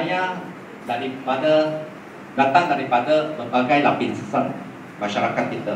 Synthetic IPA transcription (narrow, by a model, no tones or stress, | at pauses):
aja | daɾipadə | dat̪aŋdaɾipadəbəbaɡajlapinsəsaŋ | mãʃaɾakat̪̚kit̪ə